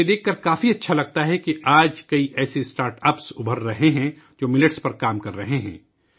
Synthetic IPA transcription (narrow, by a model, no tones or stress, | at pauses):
ed̪eːkʰːɐɾkaːfiɐtːʃʰalɐɡ̚t̪aɦɛkiʔaːd͡ʒkɐiʔɛːsesʈaːɾʈɐːpsʊbʱəɾːɐɦeɦɛ̃ | d͡ʒoːmɪlɪʈspɐɾkaːmkɐɾːɐɦeɦɛ̰̃ː